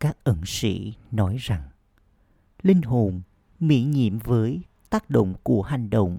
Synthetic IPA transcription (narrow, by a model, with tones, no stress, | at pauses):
kaː˦˥k̚ʔə˨˩nsḭ˧˨nɔ˨˦jza˨˩ŋ | lï˧ŋ̟ɦo˨˩n | mḭ˧˥ɲḭ˧˨əmvəː˨˦j | t̪aː˦˥k̚ɗo̰˧˨wŋ͡mku˧˩əha˨˩jŋ̟ɗə̰˧˨wŋ͡m